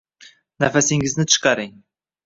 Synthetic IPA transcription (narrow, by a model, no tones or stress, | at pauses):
næfæsiŋɡɪznɪt̪ʰɨ̥ʃqɑɾeŋ